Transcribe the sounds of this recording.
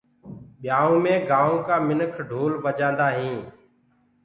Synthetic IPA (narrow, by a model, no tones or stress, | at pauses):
ɓɪjaːõːmẽːɡaːõːkaːmɪnəkʰɖʱuːlʋəd͡ʒãːnd̪aːɦĩː